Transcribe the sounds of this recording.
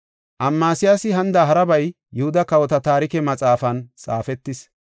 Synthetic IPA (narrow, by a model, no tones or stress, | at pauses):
ʔɐmːaːsɪjasɪɦɐnd̪ɐɦɐɾɐbɐj | jʊhʊd̪ɐkɐwɔt̪ɐt̪aːɾɪkɛmɐt͡sʼaːfɐnt͡sʼa̰ːfɛt̪ːɪs